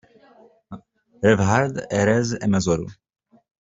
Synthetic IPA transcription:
ɾɛvɦaɾd̪ɛɾɛzɛmɛzɔɾṵ

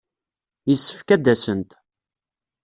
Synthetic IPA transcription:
jəsːə̥fkæd̪ːæsənt̪

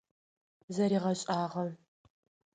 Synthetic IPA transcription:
zɐɾiːʁɐɕʼaːʁɐm

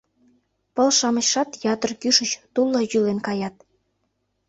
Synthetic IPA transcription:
pə̆lʃɑməɕʃɑt̪jɑt̪ərkyʃət͡ɕt̪ulːojylenkɑjɑt̪̚

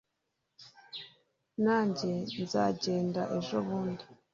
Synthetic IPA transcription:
naːɲɟe̞nzaːɟe̞ːndaʔeʒoβuːndi

